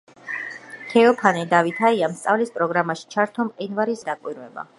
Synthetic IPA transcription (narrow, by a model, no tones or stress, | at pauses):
t̪ʰɛɔpʰanid̪avit̪ʰaiamst̪sʼavlispʼɾɔɡɾamaʃi̥t͡ʃʰaɾt̪ʰɔmqʼinvaɾisd̪akʼwiɾvɛba̰